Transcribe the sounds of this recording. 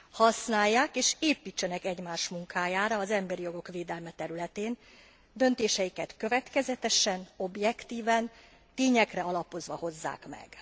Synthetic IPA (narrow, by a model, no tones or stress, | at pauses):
hɒsnaːjːaːkeːʃeːpiːt͡ʃːɛnɛkɛɟmaːʃmuŋkʰaːjaːɾɒːzɛmbɛɾijo̞ɡo̞kʋeːd̪ɛlmɛt̪ɛɾylɛt̪eːn | d̪ø̞nt̪eːʃɛjikɛt̪kø̞vɛt̪kɛzɛt̪ɛʃɛno̞bjɛkt̪iːvɛn | t̪eːɲɛkrɛɒlɒpo̞zʋɒho̞zːa̰ːkmɛ̰ɡ̥